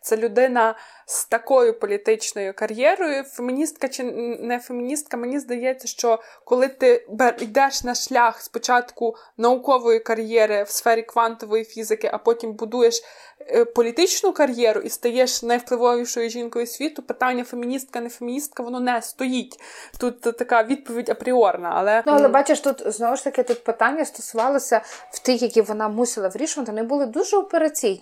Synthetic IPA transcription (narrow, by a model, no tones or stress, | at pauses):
t̪sɛlʲʊd̪ɪnɐ | st̪ɐkɔjʊpɔlʲit̪ɪt͡ʃnɔjʊkɐɾʲjɛɾɔjʊfemʲinʲist̪kɐt͡ʃɪnɛfemʲinʲist̪̚kɐmenʲizd̪ɐjɛt͡sʲːɐʃt͡ʃɔ | kɔlˠɪt̪ɪbɛjd̪ɛʃnɐʃlʲɑxspɔt͡ʃɑt̪kʊ | nɐʊkɔʋɔjikɐɾʲjɛɾɪwsfɛɾʲikʋɑnt̪ɔʋɔjifʲizɪkɪʔɐpɔtʲimbʊd̪ujeʃ | pɔlʲit̪ɪt͡ʃnʊkɐɾʲjɛɾʊʔist̪ɐjɛʃnɐjwplˠɪʋɔʋʲiʃɔjʊʒʲinkɔjʊsʲʋʲit̪ʊpɪt̪ɑnʲːɐfemʲinʲist̪̚kɐnefemʲinʲist̪̚kɐʋɔnɔnɛst̪ɔjitʲt̪ut̪t̪ɐkɑʋʲid̪̚pɔʋʲidʲɐpɾʲɪɔrnɐ̰ʔɐ̰lˠɛnuɐlˠɛbɑt͡ʃeʃt̪ut̪znɔʋʊʃt̪ɐkɪt̪ut̪̚pɪt̪ɑnʲːɐst̪ɔsʊʋɑlˠɐsʲɐw̥t̪ixjɐkʲiʋɔnɑmusʲɪlˠɐʋɾʲiʃʊʋɐt̪ɪʋɔnɪbʊlˠɪd̪uʒɛɔpeɾɐt͡sʲijnʲ